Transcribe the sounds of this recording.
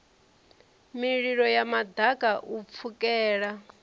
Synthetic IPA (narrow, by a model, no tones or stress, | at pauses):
miɺiɺɔjamad̪akʼaʔup̪fʰukʼɛːɺa